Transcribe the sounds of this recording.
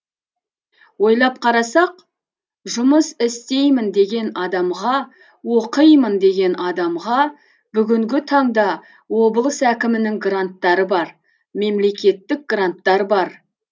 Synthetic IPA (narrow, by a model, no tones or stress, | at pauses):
wo̞jlˠɑp̚qʰɑɾɑsɑq | ʒʊməsɪst̪e̞jmɪnd̪e̞ɡʲe̞nɑd̪ɑmʁɑ | wo̞qəjmənd̪e̞ɡʲe̞nɑd̪ɑmʁɑ | bʏɡʲɪŋɡʲɪt̪ʰɑɴd̪ɑ | wo̞bəlˠəsækʲɪmɪnɪŋɡrant̪ːɑɾəbɑɾ | me̞mle̞kʲe̞t̪ːɪk̚ɡrant̪ːɑɾəbɑɾ